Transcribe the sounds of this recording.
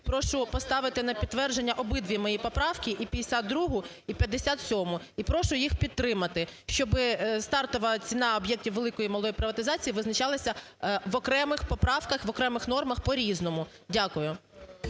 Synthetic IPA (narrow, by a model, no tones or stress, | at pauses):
pɾɔʃʊpɔst̪ɑʋɪt̪ɪnɐpʲid̪̚t̪ːʋɛrd͡ʒe̞nʲːɐʔɔbɪd̪ʋʲimɔjipɔpɾɑwkʲiʔipʲɐd̪esʲad̪̚d̪ɾuɦʊ | ipʲjɐd̪ːesʲat̪sʲɔmʊ | ipɾɔʃʊjixpʲit̪ːɾɪmɐt̪ɪʃt͡ʃɔbɪst̪ɑrt̪ɔʋɐt͡sʲinɑɔbjɛk̚tʲiwʋelˠɪkɔjimɔlˠɔjipɾɪʋɐt̪ɪzɑt͡sʲijiʋɪznɐt͡ʃɑlˠɐsʲɐ | ʋɔkɾɛmɪxpɔpɾɑʋkɐxʋɔkɾɛmɪxnɔrmɐxpɔɾʲiznɔmʊ | dʲakʊjʊ